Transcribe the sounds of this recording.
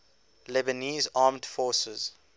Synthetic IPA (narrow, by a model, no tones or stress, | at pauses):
lɛbəniːzaːmdfɔːsəz̥